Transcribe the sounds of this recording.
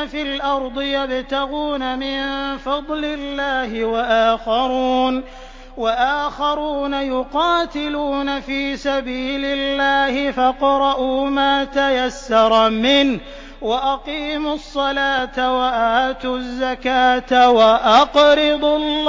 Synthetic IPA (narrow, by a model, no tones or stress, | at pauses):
fɪlʔɑɾˤd̪ˤɨjabt̪aɣuːnamɪnfɑd̪ˤlɪlːaːhɪwaʔaːxaɾuːn | waʔaːxɑɾuːnajʊqɑːt̪ɪluːnafiːsabiːlɪlːaːhɪfɑqɾˤɑʔuːmaːt̪ajasːɑɾˤmɪnh | waʔɑqiːmʊsˤːɑlaːt̪awaʔaːt̪ʊzːakaːt̪awaʔɑqɾɪd̪ˤlː